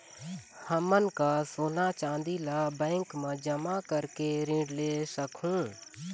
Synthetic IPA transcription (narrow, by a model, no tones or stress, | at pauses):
həmːənkasoːnat͡ʃãːnd̪ilaːbɛ̃ːŋkmãd͡ʒəmakəɾkeɾɪ̃ɖleːsəkũː